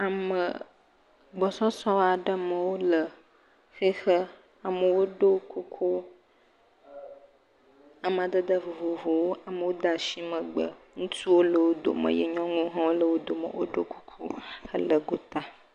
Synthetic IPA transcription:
a˨mə̰˨ | ɡ͡bɔ˨sɔ˦sɔ̃˦a˨ɖə˦mə˨wo˦lə˨ | xe˦xə˦ | a˨mə˨wo˦ɖo˦kʰu˦kʰu˦ | a˨m˨a˨d̪ə˦d̪ə˦vo˨vo˨vo˨wo˦a˨mə˨wo˦d̪a˨ʃi˦mə̃˨ɡ͡bə̰˨ | ŋũ˦t̪u˦wo˦lə˨wo˦d̪o̰˨mə̰̃˨jɛ̰˦ɲɔ̃˦ŋũ˦ɦɔ̃˦wo˦lə˨wo˦d̪o˨mə̰˨wʔo̰˦ɖo˦ku̥˦kʰṵ˦xə˦lə˨ɡo˨t̪a˦

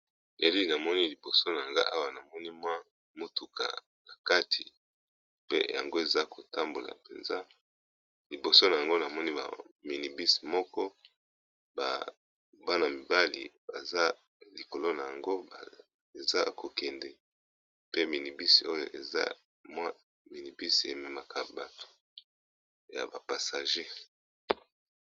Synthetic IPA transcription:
ne˨li˦na˨mɔ˦ni˦li˨bo˨so˦na˨ŋɡa˦ʔa˦wa˨na˨mɔ˦ni˦mwa˦ | mo˦tu˨ka̰˨ | na˨ka˦tʰi˨ | pḛ˦ja̰˨ŋɡo˦e˨za˦ko˨ta˦mbo˨la̰˨pe˨nza˦ | li˨bo˨so˦na˨ja˨ŋɡo˦na˨mɔ˦ni˦ba̰˨mi˨ni˨bi˦si̥˨mɔ˦kɔ˦ | ba̰˨ | ba˦na˨mi˨ba˦lḭ˨ba˨za˦ | li˨ko˨lo˦na˨ja˨ŋɡo˦˨ | e˨za˦ko˨kɛ˨ndɛ˨ | pe˦mi˨ni˨bi˦si̥˨o˦jo̰˨ʔe˨za̰˦ | mwa˦ | mi˨ni˨bi˦si˨e˨mɛ˨ma˨ka˨ba˨tʰo̥˨ | ja̰˨ba˨pa˨sa˨ʒe˦

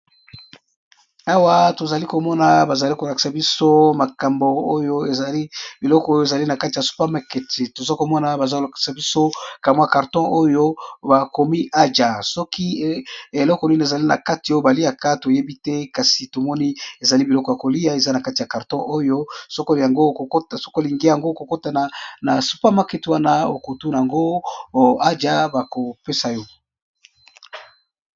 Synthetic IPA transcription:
a˦wa˦to˨za˨li˦ko˨mɔ˦na˨ba˨za˨li˦ko˨la˨ki̥˨sa˨bi˦so˦ma˨ka˨mbo˨o˦jo˦e˨za˨li˦bi˨lɔ˦kɔ˨o˦jo˦e˨za˨li˦na˨ka˦ti˨a˨su̥˦pa˦ma˨kɛ˨ti˨to˨za˦ko˨mɔ˦na˨ba˨za˦o˨la˨ki̥˨sa˨bi˦so˦ka˨mo˨˦˨a˨ka˨ʁtɔ̃˦ʔo˦jo˦ba˨ko˨mi˦ʔa˦d͡ʒa˨sɔ˦ki˦e˨lɔ˦kɔ˨ni˦n˨e˨za˨li˦na̰˨ka˦ti˨o˦jo˦ba˨li˦a˨ka˦to˨je˦bi˦tɛ˦ka˨si˨to˨mɔ˦ni˦e˨za˨li˦bi˨lɔ˦kɔ˨ja˨ko˨li˦ja˦e˨za˦na˨ka˦ti˨ja˨ka˨ʁtɔ̃˦ʔo˦jo˦so˦ko˦li˨ja˨ŋɡo˦ko˨kta˨so̥˦ko˦li˨ŋɡe˦ja˨ŋɡo˦ko˨ko˦ta˦na˨na˨su̥˦pa˦ma˦ke˦tu˦wa˦na˦o˨ku˨tu˦na˨a˨ŋɡo˦ | a˦d͡ʒa˦ba˨ko˨pe˦sa˨jɔ˦

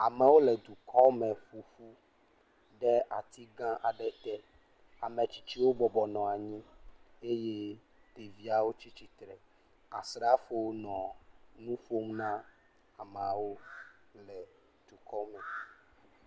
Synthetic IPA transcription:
a˨mɛ̃˨wo˦lɛ˨d̪u˨kʰɔ˦mɛ˨fu˨fu˦ | ɖɛ˦a˨t̪ʰi˦ɡã˦ʔa˨ɖɛ˦t̪ɛ˦ | a˨mẽ˨t͡ɕi̥˦t͡ɕi˦wo˦bɔ˨bɔ˨nɔ̃˨a˨ɲĩ˦ | e˦je˦ | t̪e˨vi˦a˨wo˦t͡ɕi˦t͡ɕi˦t̪ɾɛ˨ | a̰˨sɾa˦fo˦nɔ̃˨nũ˦fo˦mnã˦ | a˨me˨a˨wo˦lɛ˨ | d̪̥u˨kʰɔ˦mɛ̃˨

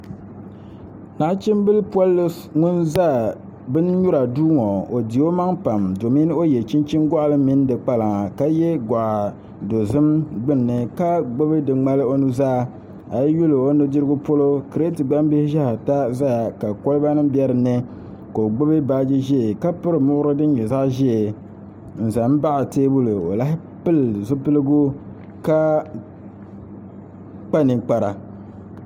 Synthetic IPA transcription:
na˨˦t͡ʃi˦m˦bɨ˦lɨ˦pwa˦lːɨ˦ | ŋʊ˦nza˦˨ | bɨ˦n˦ɲu˦ɾa˨duː˦ŋo˨o˨di˨o˦ma˦ŋpa˨mdo˨mi˦n˦o˦jɛ˨t͡ʃi˦nt͡ʃi˦nɡɔ˦ʔlɨ˦mi˦n˦dɨ˨k͡pa˦la˨ŋa˨ka˦jɛ˦ɡa˨ʔa˨ | do˨zɨ˦mɡ͡bɨ˦nː˨ɨ˦ka˦ɡ͡bo˦bɨ˦dɨ˨ŋ͡ma˦lɨ˦o˦nu˦zaː˦˨ | a˨jɛ˦ju˦lo˨o˦nɨ˦dɨ˦ɾɨ˦ɡʊ˦po˦lo˦kɨ˨ɾe˦tɨ˨ɡ͡ba˦m˦be˦hɪ˦ʒa˦ha˨ta˦za˦ja˨ka˨ko˦lɨ˦ba˦nɨ˦m˦bɛ˦ɾɨ˨nɨ˦ | ko˨o˨ɡ͡bo˦bɨ˦ba˦d͡ʒi˦ʒɛ˦˨ka˦pʊ˦ɾɨ˨mʊ˦ʔʊ˦ɾɨ˦dɨ˦ɲɛ˨za˦ʔʒe˦e˨ | n̩˨za˨m˦ba˦ʔa˨teː˦bu˦lɨ˨o̰˨la˦ɦɪ˦ | pɨ˦lzʊ˦pɨ˦lɨ˦ɡu˦ | ka˦ | k͡pa˦ni˨k͡pa˨ɾa˨

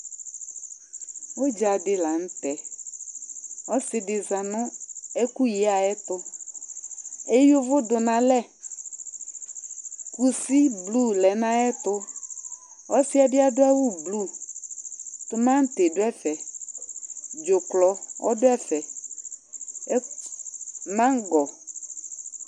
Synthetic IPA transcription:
wo˦d͡ʒa˨dɪ˦la˨ŋ̩˦t̪ɛ˨ | wɔ˦sɪ˨dɪ˨za˨nɔ̃˦e˦ku˦je˦a˨ɛ˦t̪ʊ˦ | e˦jo˦vʊ˦dʊ˨nã˨lɛ˦˨ | ku˨si˦blu˦˨lɛ˨nã˦ɛ˦t̪ʊ˦ | wɔ˦si˦a˨bi˦a˦dʊ˦a˦wu˦blu˦˨ | t̪ʊ˦mã˦ŋ̩˦t̪e˨dʊ˦ɛ˦fɛ˨ | d͡ʒʊ˨klɔ˨wʔɔ̰˦dʊ˦ɛ˦fɛ˨˦ | mã˦ŋ˦ɡɔ˨

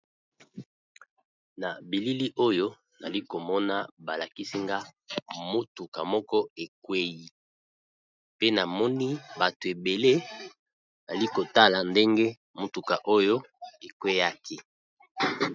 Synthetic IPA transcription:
na˨bi˨li˦li˦ʔo˦jo˦ | na˨li˦ko˨mɔ˦na˦ba˨la˨ki˦si˦ŋɡa˦mo˦tu˨ka˨mɔ˦kɔ˦e˨kwe˦ji˦ | pe˦na˨mɔ˦ni˦ba˨to˨e˨be˨le˦ | a˨li˦ko˨ta˦la˨nde˦ŋɡe˦ | mo˦tu˨ka˨ʔo˦jo˦ | e˨kwe˦ja˦kʰi˦

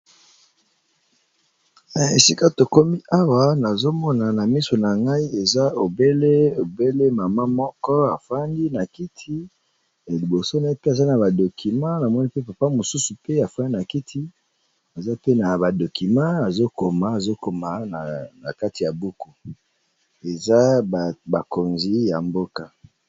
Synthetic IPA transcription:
na˨e˨si˦ka˦to˨ko˦mi˦ʔa˦wa˦na˨zo˦mɔ˦na˨na˨mi˦so˨na˨ŋɡa˦i˦e˨za˦o˨be˦le˦o˨be˦le˦ma˨ma˦mɔ˦kɔ˦a˨fa˦ndi˦na˨ki˦tʰi˦ | e˨li˨bo˨so˦na˨e˦pe˦a˨za˦na˨ba˨do˨ki˨mã˦na˨mɔ˦ni˦pe˦pa˨pa˦mo˨su˦su˨pe˦a˨fa˦ndi˦na˨ki˦tʰi˦ | a˨za˦pe˦na˨ba˨do˨ki˨mã˦a˨zo˦ko˨ma˨a˨zo˦ko˨ma˨na˨na̰˨ka˦ti˨a˨bu˦ku˦ | e˨za˦˨ba˨ko˨nzi˦ja˨mbo˦ka˦

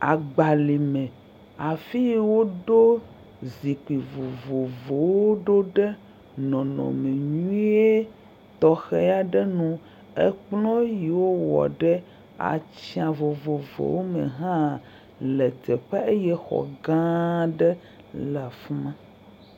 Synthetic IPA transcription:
a̰˨ɡ͡ba˨li˨mɛ̃˨ | a˨fi˦wo˦ɖo˦ | zi˨k͡pi˨vo˨vo˨vo˨wo˦ɖo˦ɖɛ˦ | nɔ̃˨nɔ̰̃˨me˨ɲũ˦e˦ | t̪ɔ˦xɛ˦ja˦ɖɛ˦nũ˦ | ɛ̰˦k͡plɔ̃˦ji˨wo˦wɔ̰˨ɖɛ˦ | a̰˨t͡ɕi˦ã˨vo˨vo˨vo̰˨wo˦mḛ̃˨ɦã˦ | lɛ˨t̪ɛ˨ɸɛ˦e˦jɛ˦xɔ̰˨ɡã˦ɖɛ˦ | la˨fmã˦

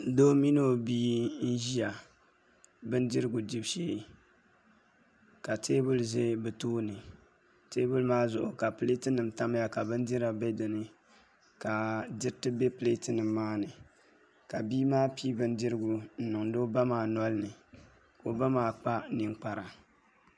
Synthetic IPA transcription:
doː˦mi˦no˦biː˦n̩˦ʒi˦ja˨ | bɨ˦n˦dɪ˦ɾɨ˦ɡu˨di˦bʃeː˦ | ka˨teː˦bʊ˦lze˦bɨ˨toː˦nɨ˨ | teː˦bʊ˦lmaː˦zʊ˨ʔʊ˨ka˨ple˦tɨ˦nɨ˨m˨ta˦m˦ja˨ka˨bɨ˦n˦di˦ɾa˨be˦dɨ˨nɨ˦ | ka˨dɪ˦ɾtɨ˦be˦pɨ˨le˦tɨ˦nɨ˨mːaː˦nɨ˨ | ka˨biː˦maː˦piː˦bɨ˦n˦dɪ˦ɾɨ˦ɡu˨n̩˦nɨ˨ŋdo˦ba˦maː˨nɔ˦lnɨ˨ | ko˦ba˦maː˨˦k͡pa˦nɨ˨ŋ˦k͡pa˨ɾa˨

